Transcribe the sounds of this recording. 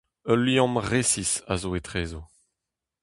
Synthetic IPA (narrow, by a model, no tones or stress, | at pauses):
œlːjɔ̃mʁesisa̰zoet̪ʁeːzo